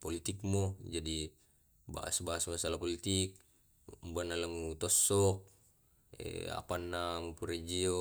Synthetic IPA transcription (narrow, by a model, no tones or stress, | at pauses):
polit̪ik̚mod͡ʒadi | ba̰ʔa̰sbaasmasalapolit̪ik̚ | mbanalamut̪ɔsːɔk̚ | ḛa̰panːamupuɾed͡ʒio